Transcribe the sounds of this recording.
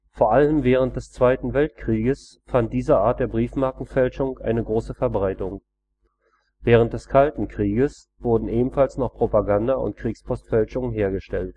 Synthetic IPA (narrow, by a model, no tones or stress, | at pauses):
foːɐʔaləmvɛːʁ̞əntd̥ɛst͡sv̥aɪtn̩vɛltkʁ̥iːɡəs | fant̚d̥iːzəʔaːɐt̚d̥eːɐbʁiːfmaɐkŋ̩fɛlʃʊŋʔa̰ɪnəɡʁoːsəfɛɐbʁaɪtʊŋ | vɛːʁ̞əntd̥ɛskʰaltn̩kʁ̥iːɡəs | v̥ʊɐdn̩ʔeːbm̩falsnɔχpʁ̥opaɡandaʊ̰ntkʁ̥iːkspʰɔstfɛlʃʊŋnɦeːɐɡəʃtɛlt